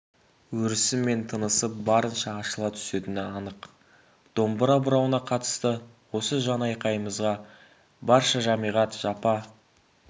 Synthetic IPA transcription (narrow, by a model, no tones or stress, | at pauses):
wɵɾɪsɪmːe̞nt̪ʰənəsəp̚bɑɾənʃɑːʃəlˠɑt̪ʰʏ̥se̞t̪ɪnɪɑnəq | d̪̥o̞mbəɾɑbəɾɑwənɑqʰɑt̪ə̥st̪ə | wo̞səʒɑnɑjqɑjəməzʁɑ | bɑɾʃɑʒɑmijʁɑt̪ʒ̥ɑpɑ